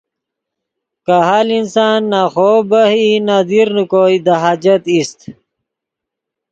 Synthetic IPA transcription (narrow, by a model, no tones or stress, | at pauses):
kaɦaːlinsaːnːaːχoːbɐhinaːd̪iɾnukoːid̪aɦaːd͡ʑɐt̪ist̪